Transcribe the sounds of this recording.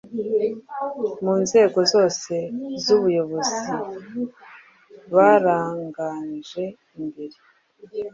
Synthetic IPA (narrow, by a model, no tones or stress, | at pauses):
muːnze̞ːɡo̞zo̞ːse̞zuβujo̞βo̞zi | βaːɾaːŋɡaːnʒe̞ | imbeɾi